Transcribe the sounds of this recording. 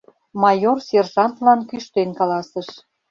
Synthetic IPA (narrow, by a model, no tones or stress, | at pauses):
mɑjorsʲerʒɑnt̪lɑnkyʃt̪enkɑlɑsəʃ